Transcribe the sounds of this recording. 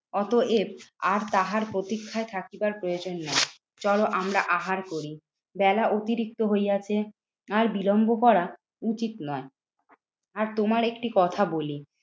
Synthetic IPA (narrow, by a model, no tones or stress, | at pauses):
ɔt̪oʔebaɾt̪aɦaɾpɾot̪ikʰːaet̪ʰakibaɾpɾojod͡ʑonːɔe | t͡ɕɔloʔamɾaʔaɦaɾkoɾi | bɛlaʔot̪iɾik̚t̪oɦojat͡ɕʰe | aɾbilombokɔɾa | ut͡ɕit̪nɔe | aɾt̪omaɾekʈikɔt̪ʰaboli